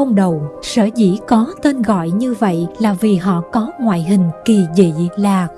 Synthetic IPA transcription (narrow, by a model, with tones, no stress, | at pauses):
ə˧wŋ͡mɗə˨˩wsəː˧˩zḭ˧˩˥kɔ˨˦t̪e˧nɣɔ̰˧˨jɲɨ˧və̰˧˨jlaː˨˩vi˨˩ɦɔ̰˧˨kɔ˨˦ŋwa̰ː˧˨jɦï˨˩ŋ̟ki˨˩zḭ˧˨laː˨˩